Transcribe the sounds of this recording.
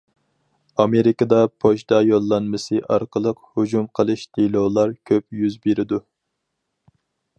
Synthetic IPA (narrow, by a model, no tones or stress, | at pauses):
ɑmeɾɪkɑd̪ɑpʰoʃd̪ɑjolˠːɑnmɨsɨʔɑɾqʰəlˠəqhud͡ʒumqʰəlˠɨʃd̪ʰilˠolˠɑɾkʲʰøpjyzbeɾɪd̪u